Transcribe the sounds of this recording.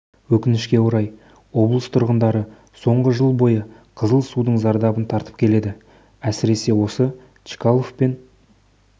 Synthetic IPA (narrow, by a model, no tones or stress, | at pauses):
wɵkʲɪnɪʃkʲe̞woɾɑj | wo̞blˠəst̪ʰʊɾʁənd̪ɑɾə | so̞ɴʁəʒəlˠbo̞jə | qʰəzəlˠsud̪əɴzɑɾd̪ɑbənt̪ʰɑɾt̪ə̥p̚kʲʰe̞le̞d̪ɪ | æsɪɾe̞se̞wo̞sə | t͡ʃi̥kalˠofpe̞n